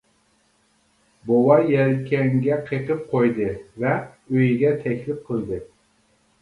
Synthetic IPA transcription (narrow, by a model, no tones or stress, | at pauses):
bowɑjɛlkʲʰɛŋɡʲɛqʰeqʰɨp̚qʰojd̪ɨvɛ | øjɡʲɛt̪ʰɛkʲlɪp̚qʰɨld̪ɨ